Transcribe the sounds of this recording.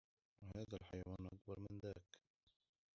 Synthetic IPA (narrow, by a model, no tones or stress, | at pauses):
wɪhaːðalħajawaːnʔakbɑɾˤmɪnðaːk